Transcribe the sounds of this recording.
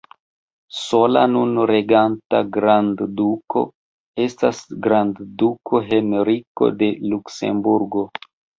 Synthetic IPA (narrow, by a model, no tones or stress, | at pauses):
so̞la̰nunɾe̞ɡantaɡɾandduko̞̰ | e̞stasɡɾanddukʰo̞ɦe̞nɾiko̞̰de̞lukse̞̰mbuɾɡo̞